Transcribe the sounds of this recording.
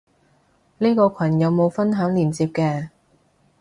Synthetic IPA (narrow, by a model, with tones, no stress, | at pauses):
niː˥kɔː˧kʷʰɐ˨˩njɐ˨˧wmo˨˧wfɐ˥nɦœː˨˥ŋliː˨˩nt͡siː˧p̚kɛː˧